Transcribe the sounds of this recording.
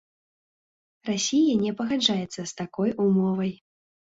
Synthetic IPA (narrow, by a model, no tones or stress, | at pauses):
rasʲijɐnʲɛpɐɣad͡ʐajɛt̪sːɐst̪akɔjumɔvɐj